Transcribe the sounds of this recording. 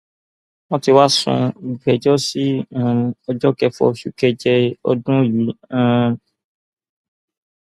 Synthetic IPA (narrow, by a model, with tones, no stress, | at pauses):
wɔ̃˦ti˧wa˦sṵ̃˧i˨ɡ͡bɛ˨d͡ʒɔ˦si˦ã˦˨ɔ˧d͡ʒɔ˦kɛ˧fɔ̰˧˨ʃu˦kɛ˧d͡ʒɛ˧ɔ̰˧dũ˦˨ji˨˦ã˦˨